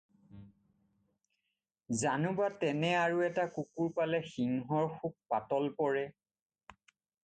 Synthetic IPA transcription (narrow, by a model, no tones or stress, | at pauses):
zanubatɛnɛaɹuɛtakukuɹpalɛxiŋɦɔɹxuk̚patɔlpɔɹɛ